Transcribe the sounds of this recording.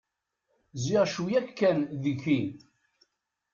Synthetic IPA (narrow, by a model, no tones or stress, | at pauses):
ziʁʃujækːænðiçin